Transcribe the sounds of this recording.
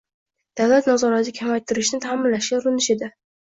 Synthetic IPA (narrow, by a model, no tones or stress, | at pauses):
d̪̥avlat̪nazɒɾat̪ʰɪkʲʰamajt̪ʰːɪɾɪʃnɪt̪ʰaːmɪnlaʃɡʲaʊɾɪnɪʃe̞d̪ɪ